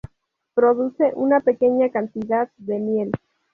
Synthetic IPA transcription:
pɾo̞ðuse̞ʔunape̞ke̞ɲakant̪iðaððe̞mje̞l

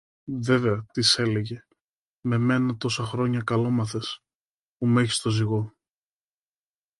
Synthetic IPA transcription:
ve̞ve̞ɐt̪ise̞le̞ʝe̞ | me̞me̞nɐt̪o̞sɐxɾo̞ɲɐkɐlo̞mɐθe̞s | pumeçi̥st̪o̞ziɣo̞

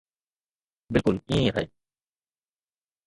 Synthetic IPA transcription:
bɪlkʊlĩɦaj

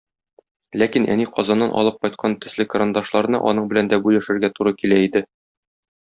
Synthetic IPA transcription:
lækinʔæ̰niqʰɒzɑnːɑnʔɒ̰lˠɤp̚qɒjt̪̚qʰɑnt̪ɵ̆slɘkɾand̪ɑʃlˠɑɾɤ̆nɑ̰ʔɒ̰nɤɴbɘ̆lænd̪æbujæ̆ʃɘ̆ɾɡæt̪uɾɤkilæid̪ɘ

